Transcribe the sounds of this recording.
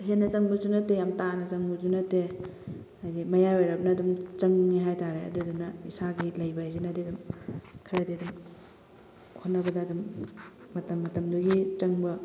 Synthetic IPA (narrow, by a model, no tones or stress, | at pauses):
ɦenːɐt͡ʃɐŋbuzunɐtejamtanɐt͡ʃɐŋbuzunɐte | ajdimɐjaweɾɐbnɐːdumt͡ʃɐŋniɦajtaɾeɐ̰dudunɐisaɡilɐjbɐajzenɐdiɐdumkʰɐɾɐdiɐdum | kʰonːɐbɐdɐːdumː | ɐtɐmːɐtɐmduɡit͡ʃɐŋbɐ